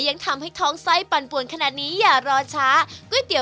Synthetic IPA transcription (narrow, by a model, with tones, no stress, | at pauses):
ja˧ŋt̪ʰa˧mha˥˩jt̪ʰɔː˦˥ŋsa˥˩jpa˨˧˩npu˨˩ənkʰnaː˨˩t̪̚niː˦˥jaː˨˩ɾɔː˧t͡ɕʰaː˦˥ku˥˩ə˨jt̪i˨˩˦